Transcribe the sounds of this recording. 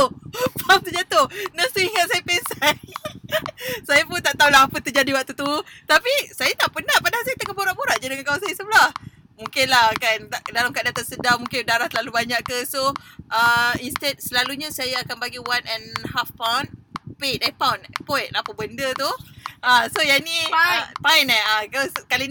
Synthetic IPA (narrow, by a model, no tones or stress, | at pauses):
pawnt̪əd͡ʒat̪onast̪uiŋat̪̚sajapesaj | sajapunt̪aʔt̪aulaɦapət̪əd͡ʒadiwat̪ut̪ut̪apisajat̪aʔpənahpadahs̬ajat̪əkaboɾaʔboɾaʔ̚d͡ʒadəŋankawasajəsəblah | mũŋkɪnlahkant̪aʔdalamkaʔ̚dat̪asədamũŋkɪndaɾaht̪əlalubaɲaʔkəsoʔəinst̪ɛd̚səlaluɲasajaakanbaɡiwanɛnhafpawnpedapawnpɔjt̪̚lapəbəndət̪uʔəsojanĩpainɛakaskali